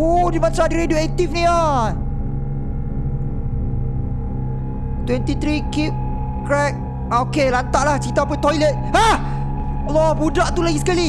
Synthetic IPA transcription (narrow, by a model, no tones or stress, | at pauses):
odimãsadiɾedioɛk̚t̪ifnĩa | t̪wɛ̃nt̪it̪ɾikip̚ | kɾɛk̚ | ʔaokelant̪aʔlaht͡ʃit̪ap̬ət̪ɔjlət̪̚a | lɔbudaʔt̪ulaɡisə̥kali